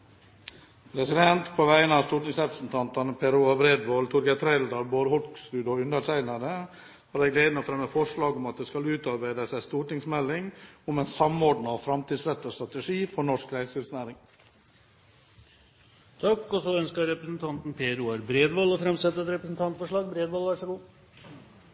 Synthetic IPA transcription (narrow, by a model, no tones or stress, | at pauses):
pʰɾɛsɪd̪ɛnt̪pʰoːʋæɪənɑʋst̪uːʈɪŋsɾɛpɾəsn̩t̪ʰɑnt̪ɑnəpʰɛɾʉːɑbɾeːd̪ʋoːlt̪ʰʊɾɡət̪ʰɾæɪld̪ɑɾboːɾhɔlksʉːd̪ɔʉnd̪əʈʰæɪnɑɾə | hɑːɾɛːɡleːd̪nɔfɾɛmːəfɔʂɭɑːɡʊmɑt̪̚d̪eːskɑlʉːt̪ɑɾbæɪd̪əsæɪst̪uːʈɪŋsmɛlːɪŋɔmɛɪnsɑmoːɖɳɑfɾɑmt̪iːd̪sɾɛt̪ːəɔst̪ɾɑt̪əʂiːfɔɳɔʂkɾæɪsɪlsnæːɾɪŋ | t̪ʰɑkːɔsɔœnskəɾɾɛpɾəsnt̪ʰɑnt̪n̩pʰeːɾʉɑɾbɾeːd̪ʋɑlɔfɾɛmsɛt̪ːət̪ɾɛpɾəsn̩t̪ʰɑnt̪fɔʂɭɑːɡ̚bɾeːd̪ʋɑːlʋæʂɔɡuː